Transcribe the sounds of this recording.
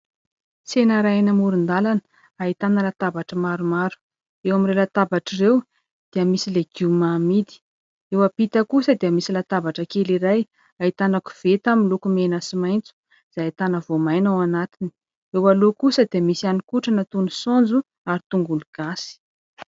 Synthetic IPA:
senaɾanəmuɾund̪alan | aɦit̪anəlat̪abaʈ͡ʂəmaɾumaɾu̥ | ewamiɾelat̪abaʈ͡ʂirew | d̪̥eəmisileɡumamid̪i̥ | ewapit̪əkusəd̪iəmisilat̪abaʈ͡ʂəkeliɾaj | aɦit̪anaku̥v̥et̪aminlukumenəsimajnt͡su̥ | z̥ajit̪anəvomajnawanat̪ini̥ | ewalokusəd̪iəmisianikuʈ͡ʂənat̪unusond͡zu | aɾit̪uŋɡuluɡ̥asi̥

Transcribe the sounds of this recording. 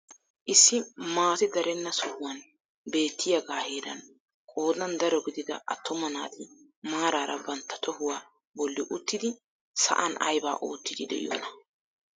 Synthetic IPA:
ʔɪsːɪmaːt̪ɪd̪ɐɾɛnːɐsʊhʊwɐn | be̞ːt̪ːɪjɐɡaːheːd̪ɐ̰n | kʼo̞ːd̪ɐnd̪ɐɾɔɡɪd̪ɪd̪ɐɐt̪ːɔmɐnaːt̪ʰɪ | maːɾaːɾɐ̰bɐnt̪ːɐ̥t̪ʰɔhʊwaː | bɔlːɪʔʊt̪ːɪd̪ɪ | sɐ̰ʔɐnɐ̰jba̰ːʔo̰ːt̪ːɪd̪ɪd̪ɛ̰ʔɪ̰jɔ̰ːnɐ

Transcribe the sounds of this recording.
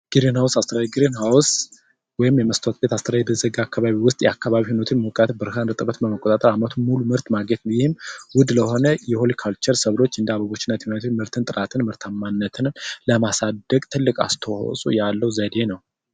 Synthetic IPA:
ɡ̥ɨɾenhawsast̪ʰəɾajɡɨɾinhaws | wɔjɪmjɛməst̪ʰoot̪̚be̞t̪ast̪ʰəɾajɛb̪ɨzəɡakːaβaβiwʊst̪ʼjɛakːaβaβihonot̪ʰɨnmokʼat̪bɨɾɨɦanɨt̪ʼɨbət̪bəməkʼot̪ʼat̪ʼəɾamat̪ʰumulumɨɾt̪maɡɲet̪nəwjɪhɪmwʊd̪ləho̞nəjɛholikʰalt͡ʃəɾsəβlo̞t͡ʃːɨnd̪aβəβo̞t͡ʃːɪnːat̪jɛhont̪ʰɨnmɨɾt̪ʰɨnt̪ʼɨɾat̪ʰɨnmɨɾt̪ʰamːanːət̪ʰɨnləmasad̪əkʼt̪ʰɨlːɨkʼa̰st̪ʰəwo̰sʼṵjalːəwzəd̪e̞nəw

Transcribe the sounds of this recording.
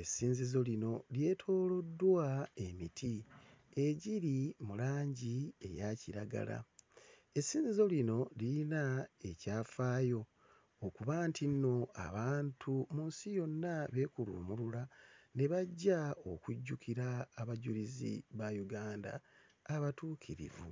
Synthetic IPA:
e̞siːnzizo̞lino̞lje̞ːtʰo̞ːlo̞dːwae̞mitʰi | e̞ɟiɾimulaːɲɟie̞̰jaciɾaɡa̰la̰ | esːiːnzizo̞lino̞liinae̞caːfaːjo̞ | okuβaːntʰino̞a̰βaːntʰumunsijo̞nːaβe̞kulṵmululaneβaɟːao̞kuɟːukʰiɾaːβaɟulizḭβajuɡaːnda̰ː | βatuːkʰiɾḭvṵ

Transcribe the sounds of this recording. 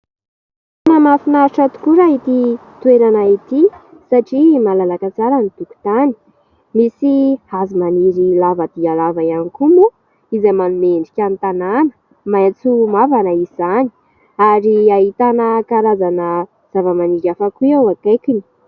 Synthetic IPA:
namafinaʈ͡ʂat̪u̥kuɾait̪it̪ueɾanait̪i | saʈ͡ʂimalalakat͡saɾanit̪uku̥t̪ani̥ | misihazimaniɾilavəd̪̥ialavaianikumu | izamanumeɳɖ͡ʐikʲant̪ananə̥ | mant͡sumavanaiz̥ani̥ | aɾiaɦit̪anəkaɾazanə | z̥avəmaniɾafakuawakekini̥

